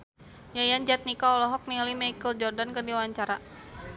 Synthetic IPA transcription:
jajand͡ʒat̪̚nikaɔlɔɦɔk̚nilimajkəld͡ʒɔrdankərdiwaɲt͡ʃaɾa

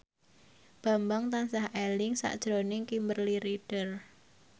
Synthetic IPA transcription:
b̥a̤mbaŋt̪ansahʔɛlɪŋsa̰ʔd̥ʒ̥ɾonɪŋkimbərliɾiɖ̥ər

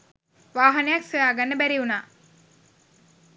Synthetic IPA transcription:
ʋaːɦanejaksojaːɡanːəbæɾiunaː

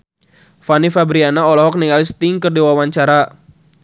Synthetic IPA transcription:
fanifabɾianaɔlɔɦɔk̚niŋalist̪ɪŋkərdiwawaɲt͡ʃaɾa

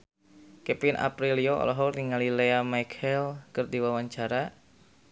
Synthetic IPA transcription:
kɛpinʔa̰pɾilioɔ̰lɔɦɔriŋalileamajkʰɛlkɨrdiwawaɲt͡ʃaɾa

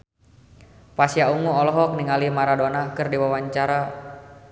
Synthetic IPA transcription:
pasiauŋuɔlɔɦɔk̚niŋalimaɾadɔnakɨrdiwawaɲt͡ʃaɾa

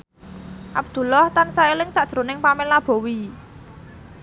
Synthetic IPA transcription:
ʔab̚d̪̥ṳlɔht̪ansaelɪŋt͡ʃaʔd̥ʒ̥ɾo̤nɪŋpamelab̥o̤wi

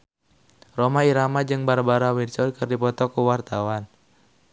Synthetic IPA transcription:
romaiɾamad͡ʒɨŋbaɾabaɾawidt͡ʃɔlkɨrdipɔt̪ɔkuwart̪awan

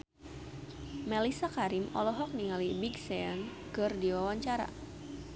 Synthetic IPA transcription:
mɛlisakaɾimɔ̰lɔɦɔk̚niŋalibiɡsɛankɨrdiwawaɲt͡ʃaɾa̰

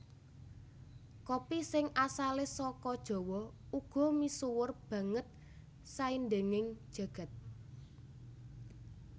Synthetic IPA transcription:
kopisɪŋʔasalesɔkɔd̥ʒ̥ɔ̤wɔ | uɡ̥ɔ̤misuwʊrb̥ä̤ŋət̪̚ | sainde̤ŋɪŋd̥ʒ̥ä̤ɡ̥a̤t̪̚

